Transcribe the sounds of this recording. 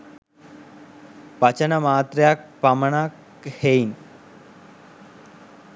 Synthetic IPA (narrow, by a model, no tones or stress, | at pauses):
pɐt͡ɕənəmaːt̪ɾejak̚paməɳak | hein